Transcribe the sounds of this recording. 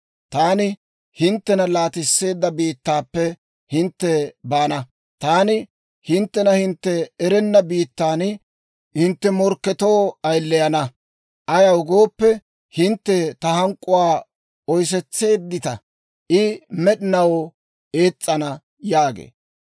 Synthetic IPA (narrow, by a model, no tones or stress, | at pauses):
t̪aːnɪ | hɪnt̪ːɛnɐlaːt̪ɪsːe̞ːd̪ːɐbiːt̪ːaːpːɛ | hɪnt̪ːɛbaːnɐ | t̪aːnɪ | hɪnt̪ːɛnɐhɪnt̪ːɛːɾɛnːɐbiːt̪ːaːn | hɪnt̪ːɛmɔɾkːɛt̪o̞ːɐjlːɛjɐnɐ | ʔɐjɐwɡo̞ːpːɛ | hɪnt̪ːɛt̪ɐhɐŋkʼːʊwaː | ɔjs̬ɛt͡sːe̞ːd̪ːɪt̪ɐ | ʔɪmɛɗɪnɐw | e̞ːt͡sʼːɐnɐ | jaːɡḛː